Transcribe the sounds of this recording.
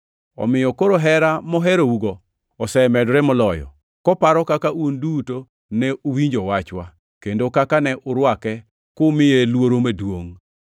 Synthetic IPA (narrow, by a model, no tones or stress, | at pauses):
ɔ̰mɪjɔkoɾoɦɛɾamɔɦɛɾouɡɔ | ɔsɛmɛdɾɛmɔlɔjɔ̰ | kɔpaɾɔkakaʔunduto | nɛʔowiɲd͡ʒowat͡ʃwa | kendokakanɛʔʊɾwakɛ | kʊmɪjelwoɾomedwoŋ